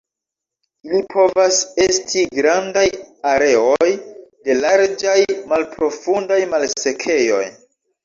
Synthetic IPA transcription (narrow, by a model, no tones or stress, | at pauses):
ilipʰo̞vase̞stʰiɡɾandajaɾe̞o̞jde̞laɾd͡ʒajmalpɾo̞fundajmalse̞kʰe̞jo̞̰j